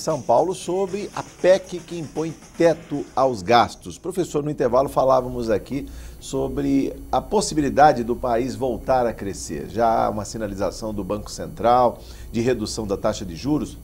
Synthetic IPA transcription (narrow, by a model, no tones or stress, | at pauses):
sɐ̃w̃pawlʊsobɾɪʔɐpɛkɪkɪĩmpõj̃t̪ɛt̪ʊawzɡast̪ʊspɾofesoɾnʊĩnt̪eɾvalʊfalavɐmʊzakisobɾɪɐposibilid̪ad͡ʒɪd̪ʊpaizvowt̪aɾɐkɾesḛɾʒaa̰ũmɐsinaliza̰sɐ̃w̃d̪ʊbɐ̃ŋkʊ̥sẽnt̪ɾaw | d͡ʒɪɦed̪usɐ̃w̃d̪ɐt̪aʃɐd͡ʒɪʒuɾʊs